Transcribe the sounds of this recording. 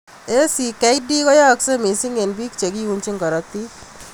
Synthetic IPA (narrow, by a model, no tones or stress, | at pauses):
esikajɖiɡɔjaːksəmisiŋɡenbikt͡ʃəɡiunt͡ʃiŋkɔɾɔt̪ːi